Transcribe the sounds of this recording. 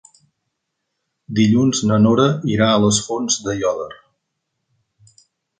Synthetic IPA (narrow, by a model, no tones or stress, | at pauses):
d̪iʎunznənoɾəiɾaələsfonzd̪əjɔðər